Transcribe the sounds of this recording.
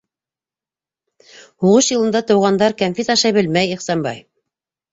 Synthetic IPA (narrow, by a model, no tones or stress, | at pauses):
huʁɤʃjɤ̆lˠɤ̆nd̪ɑt̪ɤ̆wʁɑnd̪ɑɾkæmfʲit̪ɑʃɑjbɘlmæjiχsɑnbɑ̰j